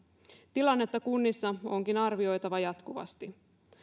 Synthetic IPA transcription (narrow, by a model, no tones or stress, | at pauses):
t̪ilɑnːe̞t̪ːɑkunːisːɑo̞ŋkinɑrʋio̞jt̪ɑʋɑjɑt̪kuʋɑ̰st̪i